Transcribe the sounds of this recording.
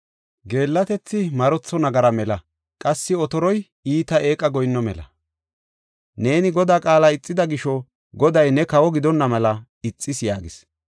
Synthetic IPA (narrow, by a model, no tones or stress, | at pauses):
ɡe̞ːlːɐt̪ɛt͡sːɪmɐɾɔt͡sːɔnɐɡɐɾɐmɛlɐ | kʼɐsːɪɔt̪ɔɾɔj | iːt̪ɐʔe̞ːkʼːɐɡɔjnːɔmɛ̰lɐ̰ | ne̞ːnɪɡɔd̪aːkʼaːlaɪt͡sʼːɪd̪ɐɡɪʃɔ | ɡɔd̪ɐjnɛkɐwɔɡɪd̪ɔnːɐmɐlɐ | ɪt͡sʼːɪsja̰ːɡɪs